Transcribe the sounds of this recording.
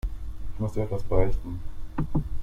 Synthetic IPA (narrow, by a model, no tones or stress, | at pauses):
ɪçmʊsd̥ʔɛtvasb̥ʁastn̩